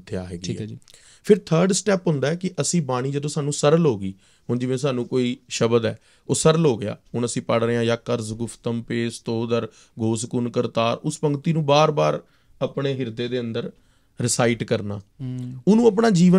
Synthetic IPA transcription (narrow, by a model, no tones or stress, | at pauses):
t̪ʰːeja̰ːɦeːɡːɛː | pʰɪɾt̪ʰəːɾɖsʈɛːpɦʊ̃nd̪aːɛːkɪʔəsĩːbaːɽ̃iːd͡ʒəd̪õːsaːnũːsəɾlɦoːɡiː | ɦʊnd͡ʒɪʋẽːs̬aːnũːkoːiːʃəbəd̪ɛ̰ː | oːsəɾlɦoːɡɪa̰ːɦʊnəsĩːpəɽɾəːãːjaːkəɾzɡʊpʰt̪əmpeːst̪oːd̪əɾ | ɡʱoːskʊnkəɾt̪aːɾʊspəŋɡt̪iːnũːbaːɾbaːɾ | apɳeːɦɪɾd̪eːd̪eːənd̪əɾ | ɾɪsaːɪʈkəɾna̰ːʊnũːəp̬ɳaːd͡ʒiːʋə